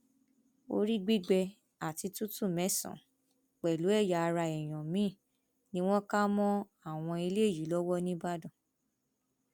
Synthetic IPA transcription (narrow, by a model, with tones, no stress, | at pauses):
o̰˦ɾi˦ɡ͡bi˦ɡ͡bɛ˧ | a˨ti˧tu˦tũ˦˨mɛ̃˨˦sɔ̰̃˨ | k͡pɛ˨lu˨˦ɛ˦˨ja˨˧ɾa˧ɛ˨j̃ɔ̃˨mĩ˨˦˨ | nĩ˦w̃ɔ̃˦ka˦mɔ̃˦ | a˦˨w̃ɔ̃˧i˧le˦e˦˨ji˨˦lɔ˦wɔ˦nĩ˦ba˦dɔ̃˦˨